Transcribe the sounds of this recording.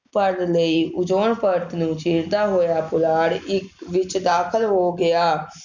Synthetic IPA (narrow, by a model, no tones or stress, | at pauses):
pəɾləiːʔʊd͡ʒoːɳpəɾt̪nũːt͡ʃiːɾd̪aːɦoːjaːpʊlaːɽɪkʋɪt͡ʃd̪aːkʰəlɦoːɡɪaː